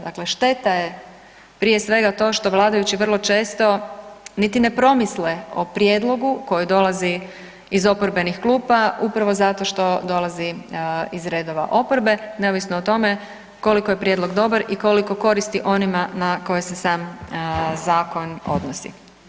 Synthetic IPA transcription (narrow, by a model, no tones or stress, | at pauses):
d̪akle̞ʃt̪e̞t̪aje̞ | pɾije̞sʋe̞ɡat̪o̞ːʃt̪o̞ʋlˠaːd̪ajut͡ɕiʋr̩lˠo̞t͡ʃe̞ːst̪o̞nit̪ine̞pɾo̞misleopɾjeːd̪lˠo̞ɡuko̞jid̪o̞lˠaziː | zo̞poɾbe̞nixklˠuːpaupɾaʋo̞zat̪o̞ʃt̪o̞d̪o̞lˠaziizɾe̞ːd̪o̞ʋa̰ʔo̞po̞ɾbe̞ne̞oʋisnoːt̪o̞me̞ | ko̞likoje̞pɾjed̪lˠo̞ɡd̪o̞baɾiko̞liko̞ko̞ɾist̪iʔo̞nimanako̞jese̞saːm | zaːko̞no̞̰d̪nosḭ